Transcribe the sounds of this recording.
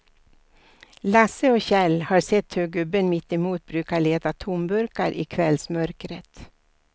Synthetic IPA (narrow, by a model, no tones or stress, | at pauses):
lasəɔɕɛlhɑːɾsɛt̪ːhøːɡɵbənmɪt̪ːɪmuːt̪̚bɾʉːkaɭeːt̪at̪ʰʊmbɵɾkaɾʔɪ̰ːkʰvɛlsmœɾkɾət̪